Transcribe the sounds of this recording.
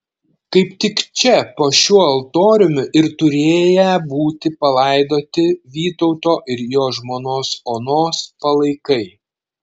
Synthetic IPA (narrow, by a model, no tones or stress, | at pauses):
kɐɪpt̪ʲɪkt͡ʃʲɛpoːʃʲuɔɐlˠt̪oːɾʲʊmʲʊʔɪɾt̪ʊɾʲeːjɛbuːt̪ʲɪpɐlˠɐˑɪd̪oːt̪ʲɪʋʲiːt̪ɔʊt̪oːʔɪɾjoːʒmoːnoːsoːnoːspɐlˠɐɪkɐɪ